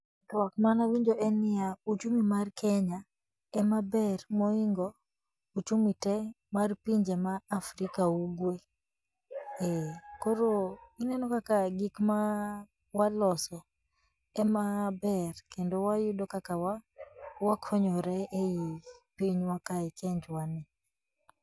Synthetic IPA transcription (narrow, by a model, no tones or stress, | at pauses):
tɔwakmanawiɲd͡ʒoʔɛnɪaut͡ʃumimarkʰɛɲa | ɛmabɛrmɔiŋɡɔ | ut͡ʃumitɛ | marpiɲd͡ʒemaːfɾikauɡwe | ɛkoɾoinɛnɔkakaɡikma | walɔsɔ | ɛmabɛrkendowajʊdokakawawakʰɔɲɔɾɛʔejipiɲwakaɛkʰeɲd͡ʒwanɪ